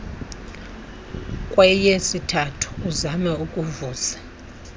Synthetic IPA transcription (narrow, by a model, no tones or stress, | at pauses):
kʼwɛjesitʰatʰu̥ːzamɛukʼuvuːzḁ